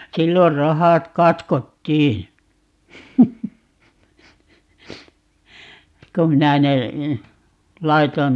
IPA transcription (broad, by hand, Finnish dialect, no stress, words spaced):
silːor rohɑt kɑtkotːiː kum minæ ne lɑiton